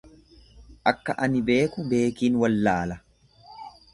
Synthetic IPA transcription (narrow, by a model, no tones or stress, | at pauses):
ʔɐkːɐʔɐnɪbeːkʊbe̞ːkiːnwɐlːaːlɐ